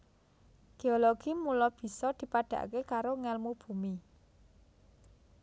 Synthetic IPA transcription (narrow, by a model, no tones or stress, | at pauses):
ɡ̥e̤oloɡ̥imulɔb̥i̤sɔd̪̥i̤paɖ̥ä̤̰ʔkekaɾoŋɛlmub̥ṳmi